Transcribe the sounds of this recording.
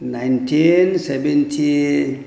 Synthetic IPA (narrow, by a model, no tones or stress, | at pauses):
najntʰinsebentʰi